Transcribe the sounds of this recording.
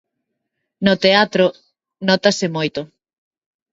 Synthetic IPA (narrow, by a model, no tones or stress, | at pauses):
nʊt̪eat̪ɾo | nɔt̪asɪmojt̪ʊ